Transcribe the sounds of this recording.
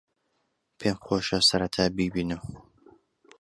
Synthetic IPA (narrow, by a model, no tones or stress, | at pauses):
pʰeŋχoːʃasɐɾɐt̪ʰaːbibiːnɨm